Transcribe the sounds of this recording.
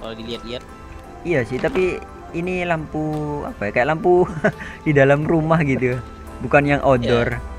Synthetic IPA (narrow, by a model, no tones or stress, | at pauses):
kalɡiliat̪̚liat̪̚ | ijasɪht̪apiː | nilampua̰pajakajaʔlampudidalamrumahɡit̪u | bukanjaŋʔodɔr